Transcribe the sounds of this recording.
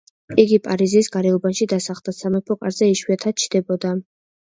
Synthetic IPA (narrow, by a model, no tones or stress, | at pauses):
iɡipʼaɾizisɡaɾɛɔbanʃid̪asaχld̪̥asamɛpʰɔkʼaɾzɛiʃwiat̪ʰad̪̥̚t͡ʃʰd̪̥ɛbɔd̪a